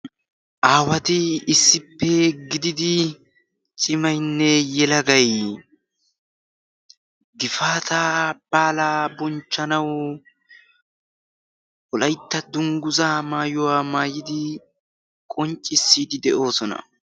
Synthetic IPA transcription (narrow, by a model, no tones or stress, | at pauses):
ʔaːwɐt̪ɪɪsːɪpːɛɡɪd̪ɪd̪ɪ | t͡ʃʼɪmɐjnːɛjɛlɐɡɐj | ɡɪfaːt̪ab̥aːlaːbɔnt͡ʃːɐnɐw | wɔlɐjt̪ːɐd̪ʊŋɡʊzaːmaːjʊwaːmaːjɪd̪ɪ | kʼɔnt͡ʃʼːɪsːiːd̪ɪd̪ɛʔo̞ːsɔnɐ̰